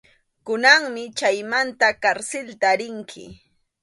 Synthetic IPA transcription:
kʊnaŋmɪt͡ʃajmant̪akaɾsɪlt̪aːɾɪŋkʰɪ̰

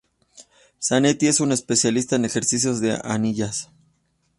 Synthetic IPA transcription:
sane̞t̪ie̞sune̞spe̞sjalist̪aenexe̞ɾsis̬jo̞zðe̞̰ʔa̰niʝas

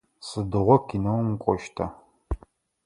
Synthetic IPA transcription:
sɨdɨʁʷɔkʰinɐwmkʷʼɔʃtʰa

